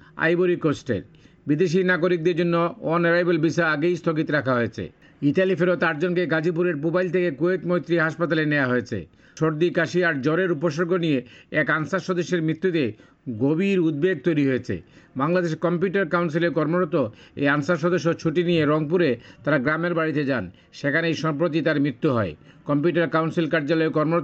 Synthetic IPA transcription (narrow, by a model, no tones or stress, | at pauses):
a̰jboɾikosʈḛɾbid̪eʃ̬inaɡoɾik̚d̪eɾd͡ʑonːoɔneɾajbelbiʃaaɡejst̪ʰoɡit̪ɾakʰaɦoet͡ɕʰḛ | iʈalifeɾot̪aɾd͡ʑonkeɡad͡ʑip̬uɾeɾpubajlt̪ʰekekoet̪mojt̪ːɾiɦaʃpat̪aleneaɦoet͡ɕʰḛ | ʃoɾd̪ikaʃiaɾd͡ʑɔɾeɾupoʃoɾɡʱonijeɛkansaʃɔd̪oʃːeɾmɾit̪ːut̪e | ɡobiɾud̪̚beɡ̚t̪ojɾiɦoet͡ɕʰḛ | baŋlad̪eʃekɔmpjuʈaɾkawns̬ileɾkɔɾmoɾot̪ːoḛjansaʃ̬ɔd̪oʃ̬ːot͡ɕʰuʈinijeɾɔŋpuɾet̪aɾaɡɾameɾbaɽit̪ed͡ʑan | ʃekʰanejʃɔmpɾot̪̬it̪aɾmɾit̪ːuɦɔekɔmpjuʈaɾkawnsilkaɾd͡ʑalɔekɔɾmoo